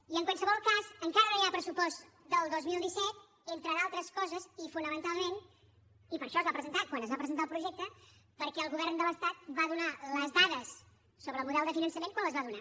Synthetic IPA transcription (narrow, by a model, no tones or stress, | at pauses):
iəŋkwalˠsəβɔlˠkazəŋkaɾənojiapɾəsupɔst̪ | d̪əlˠd̪ozmilˠd̪isɛt̪̚ | ent̪ɾəðalˠt̪ɾəskɔzəzifunəmənt̪alˠmen | ipəɾʃɔəzβapɾəzənt̪akwanəzβapɾəzənt̪alˠpɾuʒɛk̚t̪əpəɾkɛəlˠɣuβɛrnd̪ələst̪at̪̚baðunaləzðaðəsː | oβɾəlˠmuðɛlˠd̪əfinənsəmenkwanləzβaðuna